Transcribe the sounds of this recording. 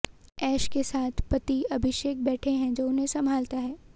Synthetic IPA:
ɛːʃkesaːt̪ʰpɐt̪iɐbʱɪʃeːk̚bɛːʈʰẽɦɛ̃d͡ʒoːʊnɦẽsɐ̃mbʱaːlt̪aɦɛː

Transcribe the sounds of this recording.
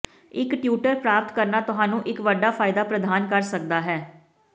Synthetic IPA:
ɪkʈjuːʈəɾpɾaːpt̪kəɾnaːt̪ʊɦaːnũːʔɪkʋəɖaːpʰaːɪd̪aːpɾəd̪aːnkəɾsək̚d̪aːɦɛː

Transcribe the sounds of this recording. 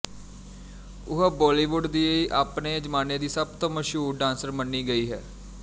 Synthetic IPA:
ʊɦəbɔːliːʋʊɖd̪iːiʔaːpneːd͡ʒəmaːneːd̪iːsəb̚t̪õːməʃɦuːɾɖãːnsəɾmənːiːɡəiːɦɛː

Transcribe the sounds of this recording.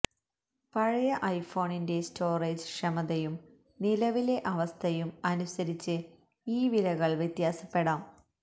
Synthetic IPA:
pɐɻɐjɐʔɐjfo̞ːɳinde̞stʰo̞ːreːd͡ʑʂɐmɐðɐjum | nilɐʋile̞ʔɐʋɐst̪ʰɐjumɐnusɐɾit͡ɕːɨ | iːʋilɐɣɐɭʋjɐt̪jaːsɐ̥pːe̞ɽaːm

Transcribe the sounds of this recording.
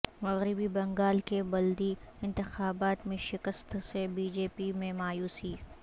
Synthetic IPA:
mɐɣɾɪbibɐ̃ŋɡaːlkebɐld̪iɪ̃nt̪ɪxaːbaːt̪mẽʃɪkəst̪sebiːd͡ʒeːpimẽmaːjuːsiː

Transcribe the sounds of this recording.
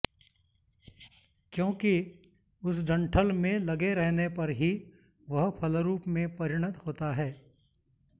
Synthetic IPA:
kjõːki | ʊsɖɐ̃ɳʈʰəlmẽlɐɡeɾɛɦnepɐɾɦi | ʋɐɦpʰɐlɾuːpmẽpɐɾɪɽ̃ət̪hoːt̪aɦɛː

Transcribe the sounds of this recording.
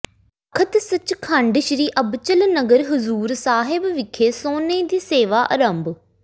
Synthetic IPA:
kʰət̪sət͡ʃkʰəɳɖəʃɾiːʔəbt͡ʃəlnəɡəɾɦʊzuːɾsaːɦɪbʋɪkʰeːsoːneːd̪iːseːʋaːʔəɾəmb

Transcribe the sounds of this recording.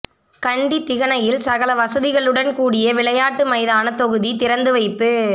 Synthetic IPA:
kɐɳɖit̪ːɪɣɐnɐjɪlsɐɣɐlɐʋɐsɐðɪɣɐɭɯɽɐnkuːɽɪjɐʋɪɭɐjaːʈːɯmɐɪðaːnɐt̪ɔɣɯðit̪ɪɾɐnd̪ɯʋɐɪpːɯ

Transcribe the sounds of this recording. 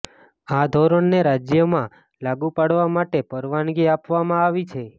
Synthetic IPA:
ad̪ʱɔɾəɳneɾad͡ʒjəmã | laɡupaɽʋamaʈepəɾʋanɡiapʋamãaʋit͡ʃʰe

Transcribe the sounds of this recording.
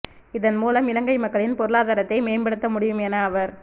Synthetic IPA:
ɪðɐnmuːlɐmɪlɐŋɡɐɪmɐkːɐɭɪnpɔɾɯɭaːðaːɾɐt̪ːɐɪmeːnbɐɽɯt̪ːɐmʊɽɪjɯmɛnɐːʋɐɾ

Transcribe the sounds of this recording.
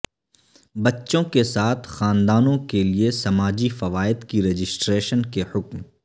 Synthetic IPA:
bɐtːʃõkesaːt̪ʰxaːnd̪aːnõkeliesɐmaːd͡ʒifɐʋaːɪd̪kiɾeːd͡ʒɪsʈɾeːʃənkehʊkm

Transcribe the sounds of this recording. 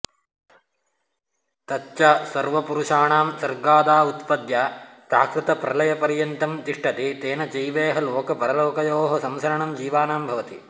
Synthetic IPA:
t̪ɐtːt͡ʃasɐɾʋɐpuɾuʂaːɳaːmsɐɾɡaːd̪aːut̪pɐd̪jaːsa̰ːkɾɪt̪ɐpɾɐlɐjɐpɐɾjɐnt̪ɐmt̪iʂʈɐt̪et̪eːnɐd͡ʒɐjʋeːɦɐloːkɐpɐɾɐloːkɐjoːɦɐsɐmsɐɾɐɳɐmd͡ʒiːʋaːnaːmbʱɐʋɐt̪i

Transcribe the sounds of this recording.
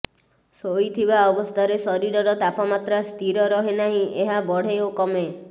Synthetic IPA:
sojt̪ʰibaɔbɔst̪ʰaɾesɔɾiɾɔɾɔt̪apɔmat̪ɾast̪ʰiɾɔɾɔɦenaɦĩʔeɦabɔɽ̤eokɔme

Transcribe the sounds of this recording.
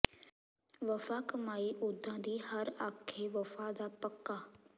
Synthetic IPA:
ʋəfaːkəmaːiːʔʊd̪ãːd̪iːhəɾaːkʰːeːʋəfaːd̪aːpəkːaː

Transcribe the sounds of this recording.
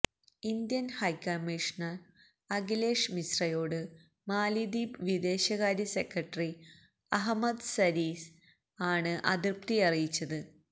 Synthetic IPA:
ind̪jɐnhɐjkɐmːiʂɐnɐr | ɐɡile̞ːʂmisrɐjo̞ːɽɨ | maːlid̪ibʋid̪e̞ːɕɐɣaːɾjɐsekɾɐʈːri | ɐɦɐmɐd̪sɐɾiːs | aːɳɨʔɐ̰d̪irp̚t̪iɐrijit͡ɕːɐðɨ

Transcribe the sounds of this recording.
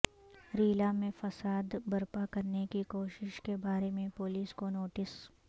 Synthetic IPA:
ɾiːlamẽfɐsaːd̪bɐɾpakɐɾnekikoːʃɪʃkebaːɾemẽpoliːskonoːʈɪs

